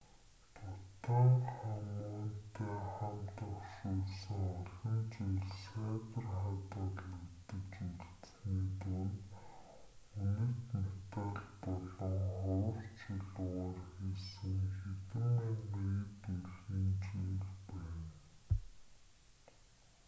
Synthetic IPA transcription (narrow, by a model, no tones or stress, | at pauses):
t̪ʰʊt̪aχamʊːnt̪ʰeːχamt̪ɔ̆χʃuːɮsɘ̆ŋɔɮɞ̆nt͡ɕiːɮsæːt̪ə̆rχat̪aɮut̪ɘ̆kt͡ɕiɮt͡s | niːt̪ʊn | ujɘ̆t̪nɔt̪ăɮpɔɮɞ̆ŋχɔwɞ̆rt͡ɕiɮʊːʁaːrxisɘ̆ŋxet̪ɘ̆mimeɣt̪uiːnt͡ɕiːɮpæːn